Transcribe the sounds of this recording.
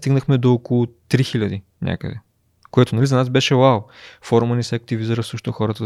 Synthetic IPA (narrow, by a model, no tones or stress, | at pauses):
t̪iɡnəxmɛd̪oːkolˠʊt̪ɾixilʲɐd̪i | nʲʔa̰kə̰d̪ɛ | koɛt̪ʊnɐlizɐnasbɛʃɛwawfɔɾmɐnisɛɐk̚t̪ivizəɾəsəʃt̪oxɔɾət̪ə